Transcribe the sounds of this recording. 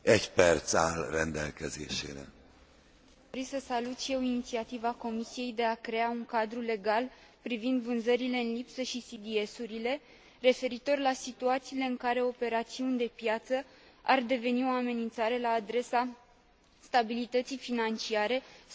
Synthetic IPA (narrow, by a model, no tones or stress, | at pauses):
ɛɟpɛrt̪salrɛnd̪ɛlkɛzḛːʃḛːɾɛ̰ | oɾisəsalut̪ʃije̞winit̪siat̪ivako̞misije̞jd̪e̞akɾe̞auŋkad̪ɾule̞ɡal | pɾivind̪vɨnzəɾile̞ɨnlipsəʃisid̪ie̞suɾile̞ | re̞fe̞ɾit̪o̞rlasit̪uat̪siːle̞ɨŋkaɾe̞o̞pe̞ɾat̪siunʲd̪e̞pjat̪sə | ard̪e̞ve̞nio̞ame̞nint̪saɾe̞laːd̪ɾe̞sa | st̪abilit̪ət̪sijfinant͡ʃiaɾe̞